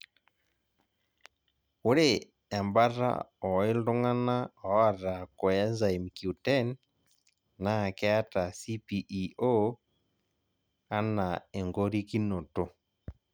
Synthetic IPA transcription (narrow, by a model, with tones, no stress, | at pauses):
o˦ɾe | ɛ˨mba˦ɾa̰˦ɔ˨e˦ldo˦ŋa˦na˦ɔ˨˦a˦˨ɾa˨kwɛ˦za˨i˨mkju˨tɛnː | a˦˨kɛ˦a˦ta˨si˦piʔio | a˦nae˨ŋɡo˦ɾi˦ki˦no˨to˨